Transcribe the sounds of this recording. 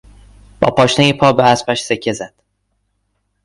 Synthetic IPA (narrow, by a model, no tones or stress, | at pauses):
b̥ɒ̰ːpʰɒːʃnejipʰɒːbeæspæʃsecʰːe̞zæd̪̥